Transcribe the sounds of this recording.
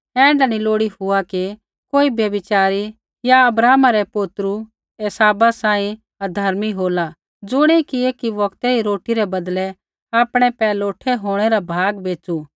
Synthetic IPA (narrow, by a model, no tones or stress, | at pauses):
ɛ̃ːɳɖaniloːɽihʊaki | koːibjɐbɪt͡ʃaːɾi | jaɐbɾaːmaɾɛpʊt̪ɾu | eːsaːbasãːĩ | ɐd̪ʱɐɾmiɦoːla | d͡zʊɽ̃ekieːkiʋɐkt̪ɛiɾoːʈiɾɛbɐd̪lɛ | aːpɽ̃ɛpɛːloːʈʰɛɦoːɽ̃ɛɾabʱaːɡbeːt͡ʃu